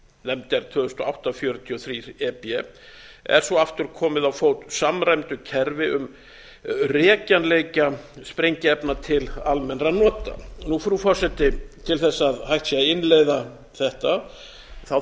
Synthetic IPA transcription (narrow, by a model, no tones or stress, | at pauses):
nɛmt̪ɛɾ̥t̪ʰœːðʏst̪ɔawht̪afjœːɾʏt̪ʰiɔθɾiːɾɛpɛ | ɛ̰ɾ̥sɔaft̪ʏɾ̥kʰɔːmɪðawfoːwt̪samɾajmt̪ʏcʰɛɾvɪʔʏm | rɛːcanlejcaspɾejɲcɪɛpnat̪ʰɪlalmɛnɾanɔːt̪a̰nufɾufɔ̥sɛt̪ɪt̪ʰɪlθɛsːaðhajht̪siaɪnːlejða | θɛht̪a | θa